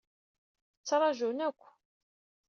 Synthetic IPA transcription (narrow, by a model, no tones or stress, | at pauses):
t͡sːɑɾˤɑʒunækʷː